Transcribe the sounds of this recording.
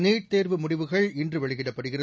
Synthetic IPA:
neːʈ̚t̪eːɾʋɯmʊɽɪʋɯɣɐɭɪndrɯʋɛɭɯɣɪɽɐpːɐɽɯɣɪrɐ

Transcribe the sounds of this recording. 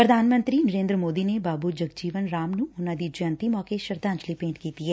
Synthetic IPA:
pɾəd̪ʱaːnmə̃nt̪ɾinəɾẽːnd̪ɾmoːd̪inebaːbud͡ʒəɡd͡ʒiːʋənɾaːmnũʊnãːd̪id͡ʒʊə̃nt̪imɔːkeʃəɾd̪ãːɲt͡ʃlipẽːʈkiːt̪iɦɛː

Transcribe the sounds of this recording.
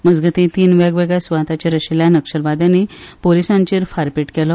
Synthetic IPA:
məd͡zɡət̪ĩt̪iːnʋaɡʋeɡɭjasʋaɦt̪at͡ɕaɾəɕiljanəkʂəlʋad̪janepolisãɲt͡ɕiːɾfaɾpiʈkɛlɔ

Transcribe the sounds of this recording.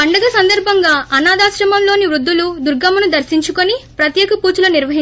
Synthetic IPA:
ɐɳɖɐɡɐsɐnd̪ɐɾbʱɐŋɡaːʔɐnaːd̪aːʃɾɐmɐmlo̞ːniʋɾud̪ːulud̪uɾɡɐmɐnud̪ɐɾsiɲt͡ʃukonipɾɐt̪jɛːkɐpuːt͡ʃulɐniɾʋɐɦi

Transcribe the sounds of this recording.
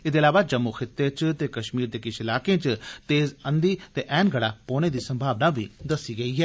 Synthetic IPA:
ɪd̪eːəlaːʋaːd͡ʒəmːuxʰɪt̪ːeːt͡ʃt̪eːkəʃmiːɾd̪eːkɪʃɪlaːkẽːt͡ʃt̪eːzənd̪iːt̪eːʔɛːnɡəɽaːpoːñẽːd̪iːsəmbʱaːʋnaːʋḭːd̪əsːiːɡəiːɦɛː

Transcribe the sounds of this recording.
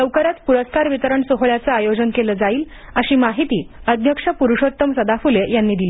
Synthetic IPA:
ləwkəɾat̪puɾəskaɾʋit̪əɾəɳsoɦɭjat͡səajod͡ʑənkeləːd͡zaiːl | əɕiːmaɦit̪iːəd̪ʱjəkʂəpuɾuʂot̪ːəmsəd̪afulejanːiːd̪iliː

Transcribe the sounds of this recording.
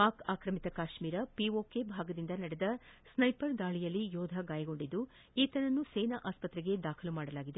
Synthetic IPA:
paːkaːkɾɐmit̪ɐkaːʃmiːɾɐpioːke̞bʱaːɡɐd̪ind̪ɐnɐɽɛd̪ɐsnɐjpɐɾd̪aːɭijɐlːijɔːd̪ʱɐɡaːjɐɡo̞ɳɖid̪ːu | iːt̪ɐnɐnːuseːnaʔaːspɐt̪ɾɛɡe̞d̪aːkʰɐlumaːɽɐlaːɡid̪e

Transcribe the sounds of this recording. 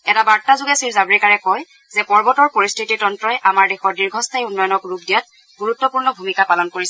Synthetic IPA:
ɛtabaɹtazʊɡɛsiɹzabɹikaɹɛkɔj | zɛpɔɹbɔtɔɹpoɹistʰititɔntɹɔjʔamaɹdexɔɹdiɹɡʱɔstʰajunːɔjɔnɔkɹuɡ̚dijɔt̚ | ɡuɹutːɔpuɹnɔbʱumikapalɔnkoɹisɛ

